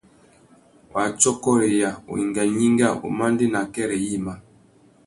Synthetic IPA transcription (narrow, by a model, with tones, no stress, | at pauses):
wa˨t͡ʃɔ˦kɔ˦ɾe˨ja˨o̰˨i˨ŋɡa˨ɲi˦ŋɡa˦˨o̰˨ma˦ndi˦na˨kɛ˦ɾɛ˨ji˦˨ma˨